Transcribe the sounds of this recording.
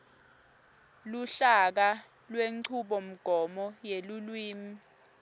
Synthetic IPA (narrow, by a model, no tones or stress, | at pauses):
luɬak̬a | lweǀʰuɓɔm̩ɡ̥ʱɔmɔjelulwiːm̩